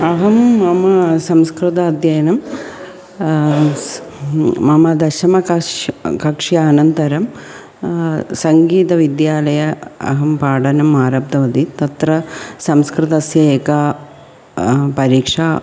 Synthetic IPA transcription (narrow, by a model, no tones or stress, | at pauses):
ɐɦɐmːɐmɐsɐmskɾɨt̪ɐːd̪jɐjɐnɐm | mɐmɐd̪ɐʃɐmɐkɐkɐkʂjɐːnɐnt̪ɐɾɐm | sɐŋɡiːt̪ɐʋid̪jaːlɐjɐɐ̰ɦɐmpaːɖɐnɐmːaːɾɐp̚d̪ɐʋɐd̪it̪ɐt̪ɾɐsɐmskɾɪt̪ɐsjɐeːka | pɐɾiːkʂaː